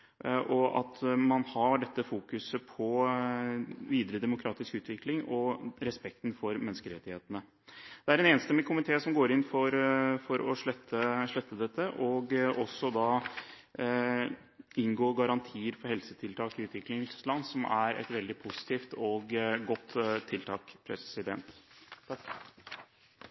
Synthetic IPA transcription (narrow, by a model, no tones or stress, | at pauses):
ʔɔɑ̰t̪mɑnhɑɖɛt̪ːəfuːkʉsəpʰɔ | ʋiːd̪əɾəd̪ɛmʊkʰɾɑːt̪ɪskʉːt̪ʋɪklɪŋɔɾɛspɛk̚t̪n̩fɔɾmɛnːəskəɾɛt̪ːɪheːt̪ənə | d̪̥ɛæɾɛneːnəst̪ɛmːɪkʰʊmɪt̪ʰeːsɔmɡoːɾɪnfɔɾfɔɾɔʂɭɛt̪ʰːəʂɭɛt̪ːəd̪ɛt̪ʰːəʔɔɡʔɔsːɔd̪ɑː | ɪnɡoːɡɑɾɑnt̪ʰiːəɾfɔɾhɛlsət̪ʰɪlt̪ʰɑːkɪʉːt̪ʋɪklɪŋslɑnːsɔmʔæɾɛ̰t̪ʋɛld̪ɪpʰʊsɪ̥t̪ʰiːft̪ɔɡɡɔt̪ʰːɪlt̪ʰɑːkpʰɾɛ̰sɪd̪ɛnt̪